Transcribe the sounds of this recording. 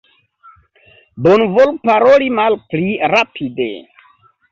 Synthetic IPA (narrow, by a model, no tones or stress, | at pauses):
bonvolpaɾolimalpliɾapʰidḛ